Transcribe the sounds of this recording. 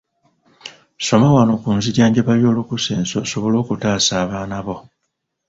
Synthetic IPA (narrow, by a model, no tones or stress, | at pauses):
so̞mawano̞kuːnziɾjaːɲɟeβaljo̞ːlukuse̞ːnso̞so̞βo̞lo̞ːkutaːsaːβaːnaβo̞